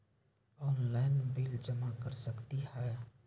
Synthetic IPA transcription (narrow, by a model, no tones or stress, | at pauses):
ɔːnlaɪnbɪld͡ʒəmakəɾsəkt̪ihɛ